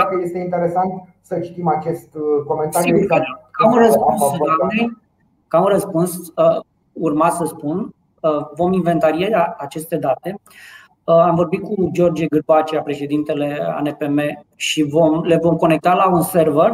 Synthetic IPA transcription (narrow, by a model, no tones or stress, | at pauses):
akəje̞st̪eint̪eɾesant̪ | sət͡ʃi̥t̪imat͡ʃe̞st̪ko̞ment̪aɾiaakaunrəspunsd̪amnej | kaunrəspunsə | urmasəspun | əvo̞minve̞nt̪aɾijeaat͡ʃe̞st̪e̞d̪at̪e̞ | amvo̞rbit̪̚kud͡ʒo̞rd͡ʒeɡɨrpat͡ʃeapɾe̞ʃe̞d̪int̪e̞le̞a̰nepeme̞ʃivo̞mle̞vo̞mko̞ne̞k̚t̪alaunse̞rver